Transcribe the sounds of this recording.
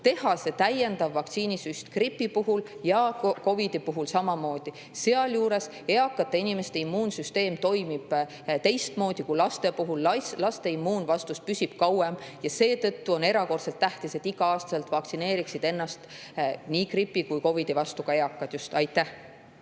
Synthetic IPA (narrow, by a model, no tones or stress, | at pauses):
t̪e̞hɑse̞t̪æje̞nd̪ɑvːɑk̚t̪siːnisyst̪kripːipuɦuljɑko̞vid̪̥ipuɦulsɑmɑmo̞ːd̪̥i | se̞ɑljuːɾe̞s | e̞ɑkːˑɑt̪ːˑeinime̞st̪e̞imːuːnsyst̪e̞ːmt̪o̞jmib̥ | t̪e̞jst̪mo̞ːd̪̥ikulɑst̪e̞puɦullɑst̪e̞imːuːnvɑst̪uspysʲib̥kɑwemjɑse̞ːt̪ɤ̞t̪ːuo̞ne̞ɾɑko̞rt̪se̞lt̪ːæht̪iset̪ːiɡɑɑːst̪ɑse̞lt̪ˑvɑkt̪sine̞ːɾiksid̪̥e̞nːɑst̪ | nikripːˑikujko̞vid̪̥ivɑst̪uɡ̥ɑe̞ɑkːˑɑd̪̥just̪ɑjt̪ːˑæh